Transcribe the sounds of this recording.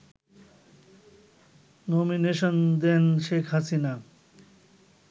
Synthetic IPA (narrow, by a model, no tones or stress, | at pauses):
nomineʃɔnd̪enʃeːkʰɦɐsina